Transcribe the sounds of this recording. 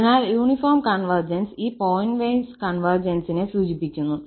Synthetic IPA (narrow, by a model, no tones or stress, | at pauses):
naːljuːɳifoːrmkɐɳʋɐrd͡ʑɐnsiːpoːjnʋejnskɐɳʋɐrd͡ʑɐnsinesuːd͡ʑipːikʲːunːu